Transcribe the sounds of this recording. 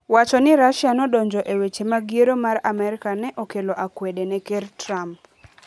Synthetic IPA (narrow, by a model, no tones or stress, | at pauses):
wat͡ʃɔnɪɾaʃanɔdɔɲd͡ʒɔʔewet͡ʃemaɡjeɾomaɾamɛɾɪkanɛʔokeloʔakwedenɛkertɾamp